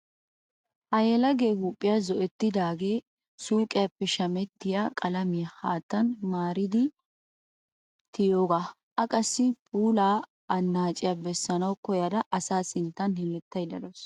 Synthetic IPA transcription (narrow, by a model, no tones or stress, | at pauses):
ʔɐjɛlɐɡe̞ːɡuːpʼːɪjazɔʔɛt̪ːɪd̪aːɡe̞ː | suːkʼɪjɐpːɛʃɐmɛt̪ːɪjakʼɐlɐmɪjɐhaːt̪ːɐnmaːɾɪd̪ɪ | t̪ʰɪjo̞ːɡa | ʔɐkʼɐsːɪpʼuːlaː | ɐnːaːt͡ʃʼɪjɐbɛsːɐnɐwkɔjɐd̪ɐʔɐsaːsɪnt̪ːɐnhɪmɛt̪ːɐjd̪ɐd̪os